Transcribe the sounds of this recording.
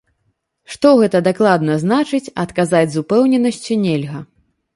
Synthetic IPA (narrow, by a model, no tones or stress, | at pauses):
ʂt̪ɔɣɛt̪ɐd̪aklˠad̪nɐznat͡ʂɨt͡sʲɐt̪kazad͡zʲzupɛwnʲɛnɐsʲt͡sʲinʲelʲɣɐ